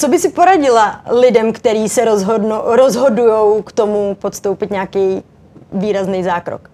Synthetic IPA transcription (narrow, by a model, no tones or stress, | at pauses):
t͡sobɪsɪpoɾaɟɪlalɪdɛmkt̪ɛɾiːsɛɾozɦodnoɾozɦo̞dujowkt̪omupot̪st̪owpɪt̪ɲɛakɛj | viːɾaznejzaːkɾo̰k